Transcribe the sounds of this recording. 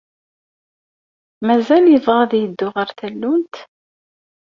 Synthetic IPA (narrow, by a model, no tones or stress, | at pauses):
mæzæljəvˤʁaðjəd̪ːʊʁəɾθælːunt̪